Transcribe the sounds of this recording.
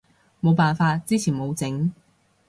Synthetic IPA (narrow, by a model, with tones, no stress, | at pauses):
mo˨˧wpaː˨nfaː˧t̚t͡siː˥t͡sʰiː˨˩nmo˨˧wt͡sɪ˨˥ŋ